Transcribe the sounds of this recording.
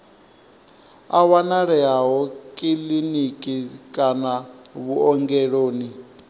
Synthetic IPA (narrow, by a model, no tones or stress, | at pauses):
awanaɺɛaɦɔkʼilinikʼikʼanaβuɔŋɡɛɺoːni